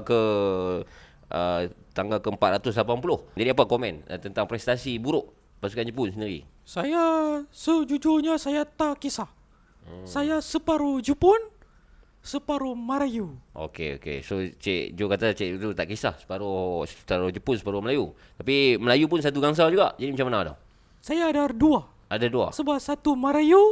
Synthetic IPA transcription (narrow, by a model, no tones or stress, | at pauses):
kə | ʔət̪aŋɡalkəəmpat̪̚ɾat̪ʊslapanpulʊhd͡ʒadiapakomɛnət̪ənt̪aŋpɾɛst̪asibuɾʊʔ | pasu̥kand͡ʒəpʊnsəndiɾḭ | sajasəd͡ʒud͡ʒoɲasajat̪akisah | sajasəpaɾud͡ʒupʊn | səpaɾumaɾajuʔo̰kḛo̰kḛsot͡ʃɛ̰ʔd͡ʒokat̪at͡ʃɛʔt̪ut̪aʔkisa̰hsə̥paɾosət̪aɾod͡ʒupʊnsə̥paɾuməlaju | t̪apiməlajupʊns̬at̪uɡaŋs̬ad͡ʒuɡa̰ʔd͡ʒadimat͡ʃamanadɔ̰h | sajaːdadua | ʔadadua̰səbapsat̪umaɾaju